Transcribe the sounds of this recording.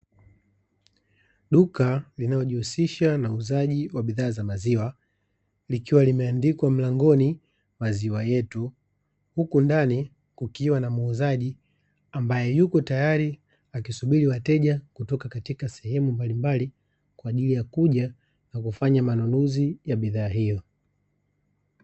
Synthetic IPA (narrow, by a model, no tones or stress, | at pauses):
ɗukalinalɔʄihusiʃanauzaʄiwaɓiðaːzamaziwa | likiwalimɛandikwam̩laŋɡɔni | maziwajɛtu | hukundani | kukiwanamuuzaʄi | ambajɛjukɔtajaɾi | akisuɓiɾiwatɛʄakutɔkakatikasɛhɛmumbalimbali | kwaːʄilijakuʄa | nakufaɲamanunuzijaɓiðaːɦijɔ